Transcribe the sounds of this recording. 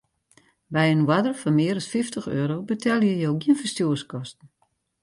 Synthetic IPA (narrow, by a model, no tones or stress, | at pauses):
bɛjənwadərfɔnmɪəɾɔsfɪftʰəxøːɾobətʰɛlˠjəjowɡiənfərstjuːərskɔstn̩